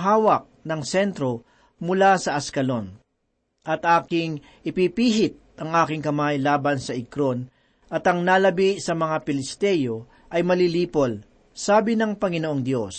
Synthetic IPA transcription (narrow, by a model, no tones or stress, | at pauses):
ɦaːwɐk̚nɐŋsɛnt̪ɾo̞ | mʊlasɐʔɐskɐlo̞n | ʔɐt̪ʔaːkɪŋ | ʔɪpipiːɦɪt̪̚ʔɐŋʔaːkɪŋkɐmajlaːbɐnsɐʔɪkɾo̞n | ʔɐt̪ɐŋnalɐbisɐmɐŋapɪlɪst̪ɛjo̞ | ʔɐjmɐliliːpo̞l | saːbɪnɐŋpɐŋɪnoʔoŋd̪jo̞s